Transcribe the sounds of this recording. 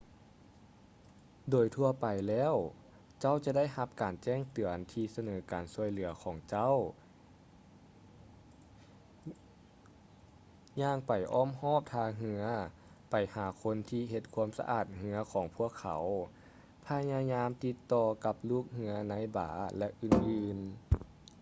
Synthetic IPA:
doː˨˩jt̪ʰu˧ɐpa˨˩jlɛː˧˥˩w | t͡ɕa˥˩˨wt͡ɕa˧˦da˥˩jha˧p̚kaː˨˩nt͡ɕɛː˥˩ŋt̪ɯ˨˩ənt̪ʰiː˧sa˧nɤː˩˦kaː˨nsu˧əjlɯ˩˦ɐkʰɔː˩˦ŋt͡ɕa˥˩˨w | ɲaː˧˩ŋpa˨˩jʔɔː˧˥˩mhɔː˥˩p̚t̪ʰaː˧ɦɯ˧ɐ | pa˨˩jhaː˨˩˦kʰo˧nt̪ʰiː˧ɦe˧t̪̚kʰu˧˥əmsa̰˧ʔa̰ː˨˩t̪̚hɯ˧ɐkʰɔː˨˩˦ŋpʰu˧˥˩əkʰːa̰˨˩˦w | pʰa˧ɲaː˧ɲaː˧˥mt̪i˧˦t̪ːɔː˧ka˧˦p̚luː˥˩k̚hɯ˧˥ɐna˧˥jba̰ː˩˦lɛ˧ʔɯː˨˩nʔɯː˧n

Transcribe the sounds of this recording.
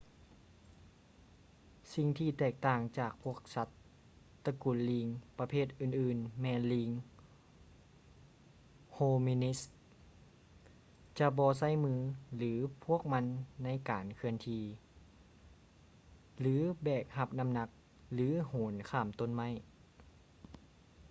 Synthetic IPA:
si˧ŋt̪ʰiː˧˩t̪ɛː˧˩k̚t̪aː˧˩ŋt͡ɕaː˨˩k̚pʰu˦˥˩ək̚sa˧˥t̪ː | a˧ku˨˩nliː˧ŋpa˧pʰeː˧˥˩t̪̚ʔɯː˧˩nʔɯː˨˩nmɛː˧nliː˧ŋ | hoː˧miː˧ni˧˦˥s | t͡ɕa˧bɔː˧s̬a˧˥˩jmɯː˧lɯː˨˩˦pʰu˥˩ək̚ma˧˥nːa˧˥˨jkaː˨˩nkʰɯ˧ənt̪ʰiː˧ | lɯː˨˦bɛː˨˩k̚ha˧p̚na˧˥mna˧k̚ | lɯː˨˦hoː˨˦nkʰaː˧˩mt̪o˧˥˨nma˧˥˩j

